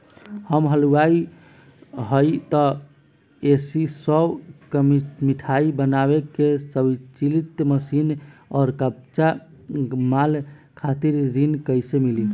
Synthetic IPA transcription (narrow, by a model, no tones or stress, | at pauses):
həmɦəluai | ɦəjt̪ɔ | esisəbkəmiʈʰaibənabekesəbit͡ʃilit̪məsinɔːɾkəp̚t͡ʃa | mal | kʰat̪iɾɾinkəjsemili